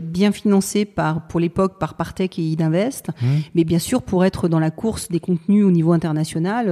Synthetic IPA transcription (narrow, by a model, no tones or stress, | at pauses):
bjɛ̃finɑ̃sepaʁpuʁlepɔk̚paʁpaʁt̪ɛkeid̪ɛ̃vɛst̪mɛbjɛ̃syʁpuʁɛt̪χəd̪ɑ̃lakʰuʁsd̪ekɔ̃t̪nyonivoɛ̃t̪ɛʁnasjɔnal